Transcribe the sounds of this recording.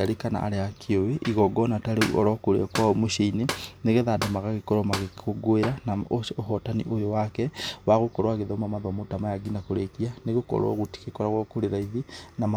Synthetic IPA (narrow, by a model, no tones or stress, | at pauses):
aɾekana̰ːɾeakʰeoweʔiɣɔɡɔnataɾeṵʔɔ̰ɾɔkoɾḛakwamoʃeineneɣeðadamaɣaɣekɔɾɔmaɣekoɡoeɾanaooɦɔtanḭʔojowakɛwaɣokɔɾwaɣeðɔmamaðamotamajaɡinakoɾekianeɣokɔ̰ɾwa̰ɣoti̥kekɔɾaɣwɔkoɾeɾaiðinama